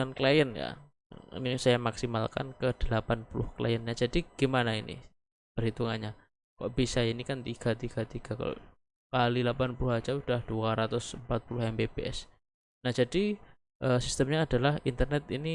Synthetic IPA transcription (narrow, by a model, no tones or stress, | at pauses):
anklajənja̰ | ḭnisajamaksimalka̰nkəd̥əlapanpulʊ̰hkla̰jənɲad͡ʒadiɡ̥imanainḭ | b̥əɾɦit̪uŋaɲa | ka̰ʔbisainikant̪iɡ̥at̪iɡ̥at̪iɡ̥ak | kalilapanpulʊhad͡ʒaud̥ahd̥uaɾat̪ʊsəmpat̪̚pulʊhɛmbebeʔɛs | nahd͡ʒadi | ʔəːsist̪əmɲaːdalahint̪ərnɛt̪ini